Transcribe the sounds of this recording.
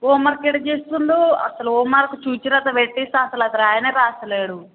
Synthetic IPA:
oːmɐɾkeɽɐt͡ʃeːst̪und̪oɐ̰sɐluoːmɐɾkut͡ʃuːt͡ʃiɾɐt̪ɐʋeʈːisaɐsɐlɐkɐɾaːjɐneːɾaːsɐleːɽu

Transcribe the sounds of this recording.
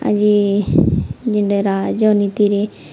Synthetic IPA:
a̰d͡ʒi | d͡ʒiɳɖeɾad͡ʒɔnit̪iɾe

